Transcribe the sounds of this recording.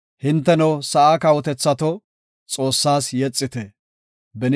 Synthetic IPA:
hɪnt̪ːɛnɐwsɐʔaːkɐwɔt̪ɛt͡sːɐt̪ɔ | t͡sʼo̞ːsːaːsjɛt͡sʼːɪt̪ɛ | bɛn

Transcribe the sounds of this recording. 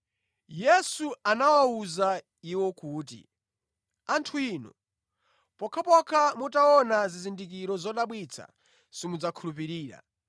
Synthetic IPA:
jɛsuanawauza | iwɔkuːtḭ | antʰuiːnɔ̰ | pɔkʰapɔkʰamutaɔnazizindik̬iɾɔzɔɗaɓwit͡sʰa̰ | simud͡zakʰulup̬iɾiːɾa̰

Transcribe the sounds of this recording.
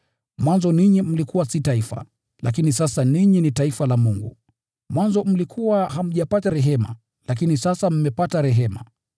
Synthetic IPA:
mwanzɔniɲim̩likuwasitaifa̰ | lʔak̬inisasaniɲinitaifalamuŋɡṵ | mwanzɔm̩likʰuwaham̩ʄapataɾɛɦɛma̰ | lakinisasam̩mɛpataɾɛɦɛma̰

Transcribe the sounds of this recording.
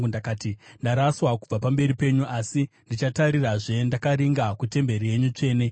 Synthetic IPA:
undakaːtindaɾaswakub͡vapambe̞ɾipe̞ɲuʔasi | ndit͡ʃataɾiraʐe̞ndakaɾiŋɡakute̞mbe̞ɾije̞ɲut͡ʂe̞ːne̞

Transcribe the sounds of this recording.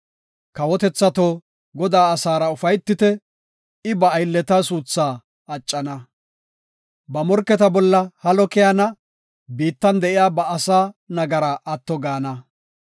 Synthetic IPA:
kɐwɔt̪ɛt͡sːɐt̪oː | ɡɔd̪aːɐsaːɾɐʊfɐjt̪ːɪt̪ɛ | ɪbɐːjlːɛt̪ɐsuːt͡sːaː | ɐt͡ʃʼːɐnɐ | bɐmɔɾkːɛt̪ɐbɔlːɐhɐlɔkɛjɐnɐ | biːt̪ːɐnd̪ɛʔɪjaːbɐːsaːnɐɡɐɾaʔɐt̪ːɔɡaːnɐ

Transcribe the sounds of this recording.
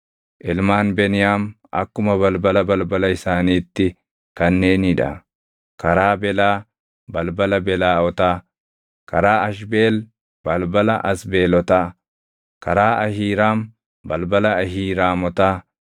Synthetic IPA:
ʔɪlmaːnbɛnɪjaːm | ʔɐ̰kːʊmɐβɐlbɐlɐbɐlbɐlɐɪsaːniːt̪ːɪ | kɐnːe̞ːniᶑɐ̰ | kɐɾaːbɛlaː | bɐlbɐlɐbɛlaːɔt̪aː | kɐɾaːɐʃbe̞ːl | b̥ɐlbɐlɐʔɐsbe̞ːlɔt̪aː | kɐɾaːʔɐhiːɾaːm | bɐlbɐlɐɐhiːɾaːmɔt̪aː

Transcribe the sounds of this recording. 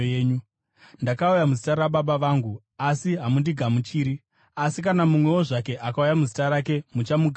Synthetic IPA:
eːɲu | ndakaujamuzitaɾaɓaɓaʋaːŋɡu | asiɦamundiɡʱamut͡ʃiːɾi | asikanamumwe̞wo̞ʐake̞ʔakaujamuzitaɾake̞mut͡ʃamuɡʱ

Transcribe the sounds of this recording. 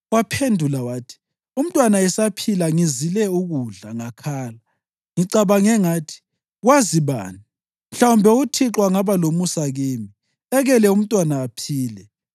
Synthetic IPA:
wapʰendʱulawaːtʰi̥ | um̩tʼwanaɛsapʰilaŋizilɛuɣuɮaŋakʰaːla | ŋiǀaβaŋɛŋaːtʰi̥ | ɣwaziβa̰ːni | m̩ɬawumbʱɛutʰiǁʼwaŋaβalomusaɣeːmi | ɛɣɛlɛum̩tʼwanaːpʰiːlɛ

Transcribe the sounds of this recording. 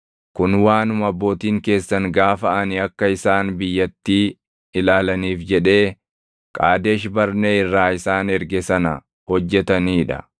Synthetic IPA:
kʊnwaːnʊmɐbːo̞ːt̪iːŋke̞ːsːɐŋɡaːfɐʔɐnɪɐkːɐɪsaːnbɪjːɐt̪ːiː | ɪlaːlɐniːfd͡ʒɛᶑe̞ː | kʼaːd̪e̞ːʃbɐɾneːɪrːaːɪsaːnɛɾɡɛsɐnɐ | hɔd͡ʒːɛt̪ɐniːᶑɐ̰

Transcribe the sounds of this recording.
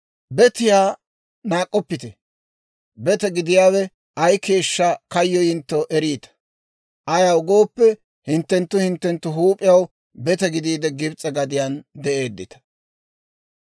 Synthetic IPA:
bɛt̪ɪjaː | naːkʼːɔpːɪt̪ɛ | bɛt̪ɛɡɪd̪ɪjaːwɛ | ʔɐjke̞ːʃːɐkɐjːɔjɪnt̪ːɔʔɛɾiːt̪ɐ̥ | ʔɐjɐwɡo̞ːpːɛ | hɪnt̪ːɛnt̪ːʊhɪnt̪ːɛnt̪ːʊɦuːpʼɪjɐw | bɛt̪ɛɡɪd̪iːd̪ɛɡɪbt͡sʼɐɡɐd̪ɪjand̪ɛʔe̞ːd̪ːɪt̪ɐ̥

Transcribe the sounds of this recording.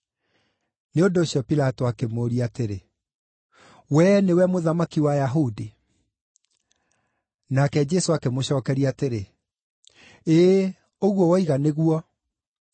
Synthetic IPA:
neondoːɕjɔpilatɔakemoːɾiateɾe | wɛnewɛmoðamakiwajaɦudi | nakɛd͡ʒɛsoakemoɕɔːkɛɾiateɾe | eː | oɣwɔwɔiɣaneɣuɔ

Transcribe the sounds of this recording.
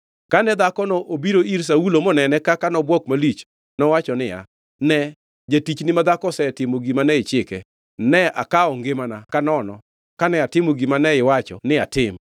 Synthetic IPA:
kanɛd̪akɔnɔʔobiɾoiɾs̬aulomɔnɛnɛkakanɔbwɔkmalit͡ʃ | nɔwat͡ʃɔnɪja̰ | nɛ | d͡ʒatit͡ʃnɪmad̪akɔsɛtɪmoɡimanɛɪt͡ʃɪkɛ | nɛʔa̰kaɔŋɡemanakanɔnɔ | kanɛatɪmoɡimanɛɪwat͡ʃɔ̰nɪatɪm

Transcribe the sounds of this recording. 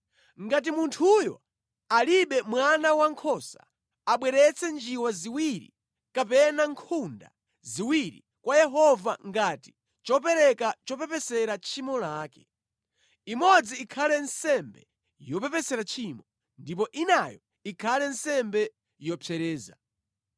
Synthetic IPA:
ŋɡat̬imuntʰujɔ | aliɓɛmwanawaŋkʰɔsa̰ | aɓwɛɾɛt͡sʰɛnd͡ʒiwaziwiɾḭ | kapɛnaŋkʰunda̰ | ziwiɾḭ | kwajɛɦɔvaŋɡati̥ | t͡ʃɔpɛɾɛkat͡ʃɔpɛpɛsɛɾat͡ʃʰimɔlaːkɛ̥ | imɔd͡ziːkʰalɛnsɛmbɛ | jɔpɛpɛsɛɾat͡ʃʰimɔ | ndip̬ɔʔinajɔ | ikʰalɛnsɛmbɛ | jɔpʰɛɾɛːza̰

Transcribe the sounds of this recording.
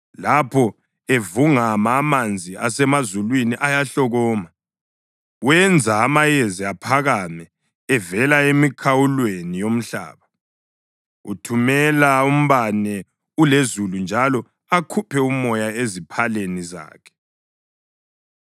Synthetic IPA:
lapʰɔ | evuŋamaːmand͡zʱiasɛmazulwiniʔajaɬɔɣɔːma | wɛnd͡zʱaːmajeziapʰaɣamɛː | vɛlaemikʰawulwenijom̩ɬa̰ːβa | utʰumɛlaum̩βanɛ | ulezulund͡ʒʱalɔ | akʰupʰɛumɔjaezipʰaleniza̰ːkʰɛ̥

